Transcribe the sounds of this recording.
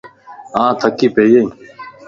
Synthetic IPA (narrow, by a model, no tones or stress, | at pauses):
ãːt̪ʰəkiːpeːjẽ